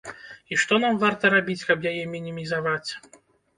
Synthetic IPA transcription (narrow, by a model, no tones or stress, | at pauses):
iʂt̪ɔnamvart̪ɐɾabʲit͡sʲkɐbjajɛmʲinʲimʲizavat͡sʲ